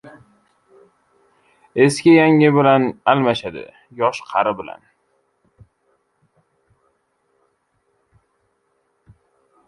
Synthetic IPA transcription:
e̞skʲɪjaŋɪbɪlanalmaʃad̪ɪ̰ | jɒʃqʰɑɾɪbɪla̰n

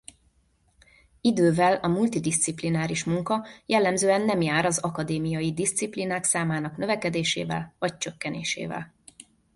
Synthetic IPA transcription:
id̪øːvɛlɒmult̪id̪ist̪siplinaːɾiʃmuŋkɒjɛlːɛmzøːɛnːɛmjaːɾɒzɒkɒd̪eːmijɒjid̪ist̪siplinaːksaːmaːnɒknø̞vɛkɛd̪eːʃeːvɛ̰lvɒc̚t͡ʃøkːɛnḛːʃḛːvɛ̰l

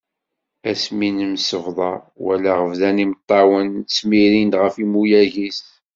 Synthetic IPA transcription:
æsminəmsəvðˤɑ | wæ̰lːæʁəvðænimt̪ˤːɑwənt͡sːmiɾind̪ʁəfimujæʝist̪

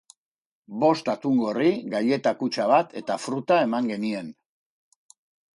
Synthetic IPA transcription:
bo̞st̪at̪uŋɡo̞riɣɡaje̞t̪akut͡ʃaβ̞at̪ʰe̞t̪afɾut̪ae̞maŋɡe̞nie̞n

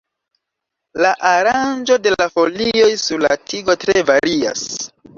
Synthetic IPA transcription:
laʔaɾand͡ʒo̞de̞lafo̞lio̞jsuɾla̰tʰiɡo̞tɾe̞vaɾia̰s

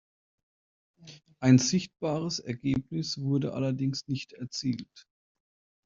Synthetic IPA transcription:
ʔaɪnzɪçt̚b̥aːʁ̞əsɛɐɡeːp̚nɪsv̥ʊɐdəʔa̰lɐdɪŋsnɪçtɛɐt͡siːlt

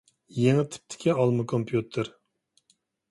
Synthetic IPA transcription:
jeŋɪt̪ʰɪ̥p̚t̪ʰɪ̥kʲiɑlˠmɨkʰompʰjut̪ʰɨɾ

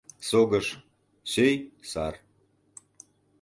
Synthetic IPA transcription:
soɡə̆ʃ | søjsɑr

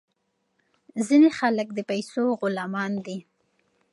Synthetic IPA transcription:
zinexalək̚d̪əpajsoɣʊlɑmɑnd̪i

